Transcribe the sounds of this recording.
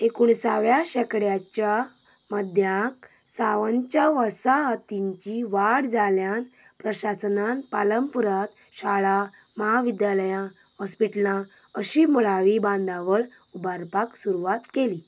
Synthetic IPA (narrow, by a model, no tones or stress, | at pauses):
ekuɳsaʋjaɕɛkɽjat͡ɕja | məd̪ʱjãk | saʋant͡ɕjaʋəsaɦət̪iɲt͡ɕiʋaɽd͡zaljanpɾəɕasnanpaləmpuɾat̪ | ɕaɭa | məɦaʋid̪jaləjã | hɔspiʈlã | əɕimuɭaʋibãnd̪aʋəɭ | ubaɾpaksuɾuʋat̪keli